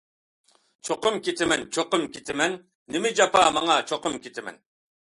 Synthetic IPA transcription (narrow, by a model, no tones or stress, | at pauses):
t͡ʃʰoqʊmkʲit̪ʰɪmɛnt͡ʃʰoqʊmkʲʰit̪ʰɪmɛnː | ɪmɪd͡ʒɑpɑːmɑŋɑt͡ʃʰoqʊmkʲit̪ʰɪmɛ̰n